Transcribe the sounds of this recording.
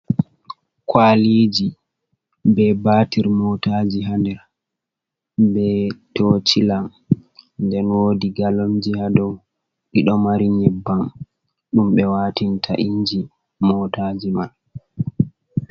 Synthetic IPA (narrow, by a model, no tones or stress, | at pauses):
kwalid͡ʒi | bɛbatiɾmɔtad͡ʒiɦandɛɾ | bɛtot͡ʃilam | ndɛnwodiɡalomd͡ʒihadɔw | ɗiɗɔmaɾiɲɛbːam | ɗumɓɛwatintʰa̰ʔiɲd͡ʒi | mɔtad͡ʒimal